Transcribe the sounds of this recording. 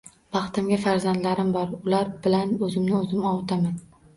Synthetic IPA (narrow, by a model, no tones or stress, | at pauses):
b̥ɑχt̪ɪmɡʲafaɾzand̪laɾɪmbɒɾʊlaɾbɪlanɵzɪmnɪɵzɪmɒwt̪ʰaman